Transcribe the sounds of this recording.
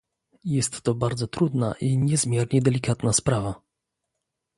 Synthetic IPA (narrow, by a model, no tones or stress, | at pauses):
jɛst̪ːɔbaɾd̪zɔt̪ɾud̪naʔiɲɛzmʲjɛɾɲɛd̪ɛlʲikat̪naspɾava